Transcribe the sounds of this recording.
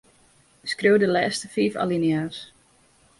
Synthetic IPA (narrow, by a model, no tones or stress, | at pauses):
skrøːwdəlɛːstəfiːfa̰linjaːs